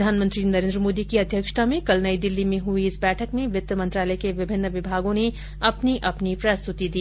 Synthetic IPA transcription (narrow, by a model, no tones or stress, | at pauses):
d̪ʱaːnmə̃nt̪ɾinɐɾẽnd̪ɾəmoːd̪ikiɐd̪ʱjəkʃʈʰamẽkɐlnəid̪ɪlːimẽɦʊiɪsbɛːʈʰəkmẽʋɪt̪ːəmɐ̃nt̪ɾaːləekeʋɪbʱɪnːəʋɪbʱaːɡõne | ɐpniʔɐpnipɾɐst̪ʊt̪id̪iː